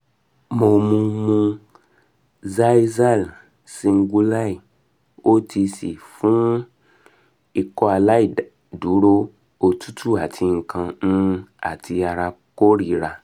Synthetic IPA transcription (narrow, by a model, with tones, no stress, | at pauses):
mo˧mũ˧mũ˧ | za˦i˦za˦˨l | sĩ˧ŋ̩˦ɡu˧la˦˨i˨ | o˦tʰi˧si˨fũ˦ | i˧kɔ˦a˧la˦i˦˨d | du˨˦ɾo˦ | o˧˨tʰu̥˦tʰu˦˨a˨tʰi˧ŋ̩˨kã˧nũ˦a̰˦˨tʰi˧a˧ɾa˧ko˦ɾi˧˨ɾa˧˨